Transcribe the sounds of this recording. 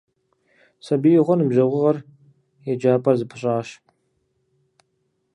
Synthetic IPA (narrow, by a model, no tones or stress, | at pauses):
sɐbijʁʷɔnɨmʒɐʁʷʊʁɐr | jɛd͡ʒaːpʼɐrzɨpʰɨɕʼaːʃ